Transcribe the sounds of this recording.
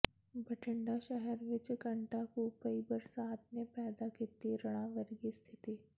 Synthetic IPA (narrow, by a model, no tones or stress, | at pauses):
bʱəʈʰɪɳɖaʃɛɦɛɾʋɪt͡ʃkə̃ɳʈakupəibəɾsaːt̪̚nepɛːd̪akɪt̪iɾɐɽ̃ãʋəɾɡist̪ʰɪt̪iː